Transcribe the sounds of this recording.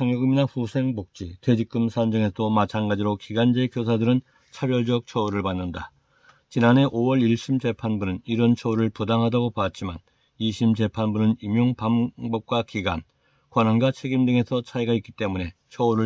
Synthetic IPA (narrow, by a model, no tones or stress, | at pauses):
aŋjʌɡɯminaɸusʰe̞ŋbok̚t͡ɕ͈itwe̞d͡ʑik̚k͈ɯmsʰand͡ʑɯŋe̞sʰomat͡ɕʰanɡad͡ʑiɾokiɡand͡ʑe̞kjosʰadɯɾɯn | t͡ɕʰabjʌɭd͡ʑʌk̚t͡ɕʰʌuɾɯɭpanːɯnda | t͡ɕinane̞ʔowʌɭiɭɕ͈imd͡ʑe̞pʰanbunɯniɾʌnt͡ɕʰʌuɾɯɭpudaŋɦadaɡopat̚t͡ɕ͈iman | iɕʰimd͡ʑe̞pʰanbunɯnimjoŋpambʌp̚k͈wakiɡa̰n | kwʌnɦanɡwat͡ɕʰe̞ɡimdɯŋe̞sʰʌt͡ɕʰaiɡaik͈it͈e̞mune̞ | t͡ɕʰʌuɾɯ